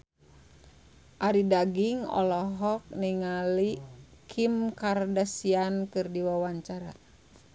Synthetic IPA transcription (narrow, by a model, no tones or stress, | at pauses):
ʔaɾidaɡiŋɔ̰lɔɦɔk̚niŋalikʰimkardasiankɨrdiwawaɲt͡ʃaɾa̰